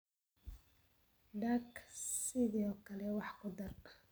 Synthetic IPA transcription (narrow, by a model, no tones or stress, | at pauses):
ɖaksɪðiɔːkʰɐlɛwɑħkʰʊd̪ɐr